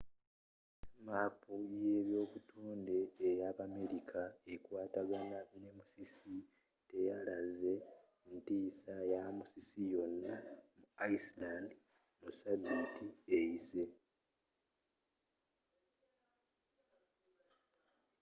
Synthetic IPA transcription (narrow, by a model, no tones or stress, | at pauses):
maːpuje̞ːβjo̞ːkutʰoːnde̞ːjaβame̞ɾikʰaekwaːtaɡanane̞musisi | te̞jalaze̞ | ntiːsajamusisijo̞nːamuaislandi | musaditiejise̞